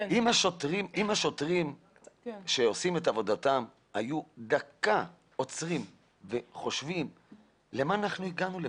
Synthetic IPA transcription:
imaʃot̪ʁimimhaʃo̞t̪ʁim | ʃe̞o̞sime̞tavo̞datam | ajud̪aka | o̞t͡sʁim | ve̞χo̞ʃvim | le̞maːnaχnuiɡanule

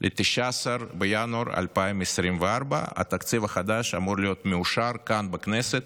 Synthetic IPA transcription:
lʔet̪iʃaasaɾbejanuaɾa̰lpaimesɾimveaɾba̰a̰t̪akt͡sivaχad̪aʃamuɾlijo̞t̪meuʃaɾkanbekneset̪

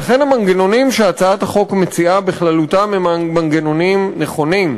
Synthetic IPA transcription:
laχe̞nhamaŋɡeno̞nimʃeat͡saathaχo̞kmet͡siʔabeχlalutamemmaŋɡeno̞nimneχo̞nim

